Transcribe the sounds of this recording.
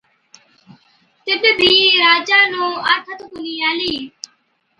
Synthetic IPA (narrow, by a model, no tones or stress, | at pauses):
t̪ɪbbʱiːɾaːd͡ʒaːnõːaɾt̪ʰət̪kʊniːaːliː